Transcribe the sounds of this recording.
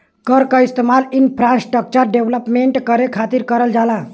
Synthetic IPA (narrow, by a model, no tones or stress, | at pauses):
kəɾkaist̪emalinpʰɾãnsʈək̚t͡ʃəɾɖeʋləpmeɳʈkəɾekʰat̪iɾkəɾəld͡ʒala